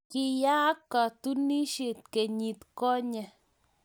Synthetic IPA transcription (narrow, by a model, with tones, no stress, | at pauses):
ki˧ja˦ka˧t̪u˦ni˦ʃi˧t̪̚ke˨ɲi˧t̪ko˦ɲa˧